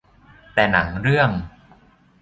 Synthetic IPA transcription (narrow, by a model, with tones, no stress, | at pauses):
t̪ɛː˨˩na˩˦ŋɾɯ˥˩əŋ